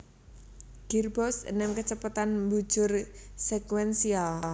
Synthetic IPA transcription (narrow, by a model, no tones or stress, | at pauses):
ɡ̥irbɔsə̰nɛmkət͡ʃəpat̪anmbu̥ʒ̥ʊrsɛkwɛnsial